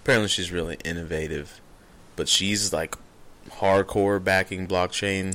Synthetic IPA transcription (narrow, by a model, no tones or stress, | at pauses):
əpʰɛɹɨ̃nʔliʃizɹɪlˠḭʔɪ̃nɨveɪɾɪv̥ | b̥ʌtʃizlaɪk | hɑɹd̚kʰɔɹbækɪ̃ŋblɑk̚t͡ʃʰẽɪ̃n